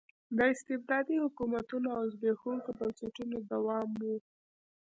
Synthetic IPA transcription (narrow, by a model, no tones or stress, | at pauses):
d̪əɪst̪ɪbd̪ɑd̪ihʊkumat̪unoawzbexuŋkobawseʈunod̪awɑmwu